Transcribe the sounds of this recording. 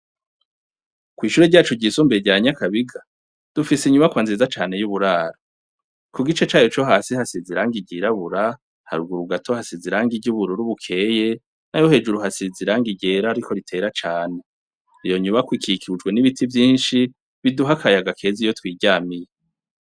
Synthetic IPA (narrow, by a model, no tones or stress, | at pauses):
kwiːʃuːɾeɟaːt͡ʃuɟisuːmbeɟaɲakaβiɡa | d̥ufisiɲumakwaːnzizat͡ʃaːne̞juβuɾaːɾa | kuɡit͡ʃet͡ʃaːjot͡ʃo̞ɦaːsihasiziɾaːŋɡiɟiɾaβuɾa | ha̰ɾuɡuɾuɡatʰohasiziɾaːŋɡiɟuβuɾuɾuβukʰe̞ːje̞ | najo̞he̞ːd͡ʒuɾuhasiziɾaŋɡiɟe̞ːɾaːɾikʰo̞ɾitʰe̞ːɾat͡ʃaːne̞ | ijo̞ɲumakwikʰikʰiud͡ʒɡwe̞niβitʰivjiːnʃi | βiduɦakʰajaɡakʰe̞ːzijo̞twiːɟaːmije